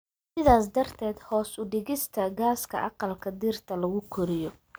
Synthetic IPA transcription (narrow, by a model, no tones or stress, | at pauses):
sɪðaːsd̪ɐrt̪ʰɛːd̪hɔːsʊɖɪɣɪst̪ʰɐɡaːskʰɐ̰ʔɑqɑlkʰɐd̪iːrt̪ʰɐlɐɣʊkʰɔɾɪjɔ